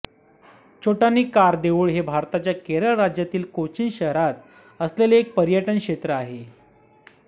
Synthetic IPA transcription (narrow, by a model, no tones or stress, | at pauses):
t͡ɕoʈaniːkaɾd̪eʋuːɭɦebʱaɾt̪at͡ɕjakeɾəɭɾad͡ʑjat̪iːlkot͡ɕinɕəɦɾat̪ | əsleleek̚pəɾjəʈənkʂɕet̪ɾəaɦe